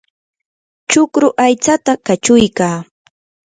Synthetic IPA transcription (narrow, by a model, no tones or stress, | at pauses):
t͡ʃʊkɾʊʔajt͡sat̪akat͡ʃʊjkaː